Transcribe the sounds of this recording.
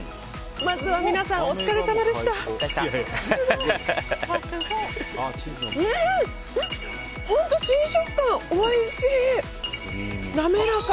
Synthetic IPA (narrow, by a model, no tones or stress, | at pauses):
mazɨβamʲinasãot͡st͡sɨ̥kaɾesamad̪e̞ɕt̪a | ne | hõ̞nt̪oɕĩɰ̃ɕokːãɰ̃oiɕiː | namenak